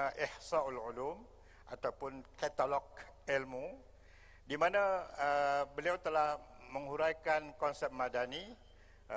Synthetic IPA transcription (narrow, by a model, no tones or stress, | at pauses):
ʔɪhsaalulum | ʔat̪awpʊnkɛt̪alɔk̚ | ɛlmu | dimãnãəbəliawt̪əlah | məŋhuɾajkankɔnsɛp̚mãdani